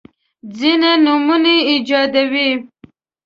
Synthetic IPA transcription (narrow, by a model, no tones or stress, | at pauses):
d͡zinanumuneid͡ʒɑd̪awi